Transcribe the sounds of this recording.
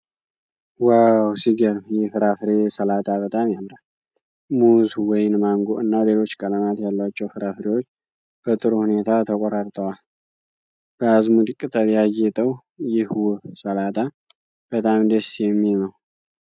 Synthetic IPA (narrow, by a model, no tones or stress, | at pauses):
wawsiɡəɾmjɛfɨɾafɨɾesəlat̪ʰabət̪ʼamjamɾal | muzwɔjɪnmaŋɡoɨnːale̞lo̞t͡ʃːkʼələmat̪jalːwat͡ʃːɛwfɨɾafɾewot͡ʃː | b̥ət̪ʼɨɾuhune̞t̪ʰat̪ʰəkʼoɾaɾt̪ʼəwal | b̥əazmud̪kʼːɨt̪ʼəljajːɛt̪ʼəw | jɪhwsəlat̪ʰʼa | b̥ət̪ʼamd̪əsjɛmːiməw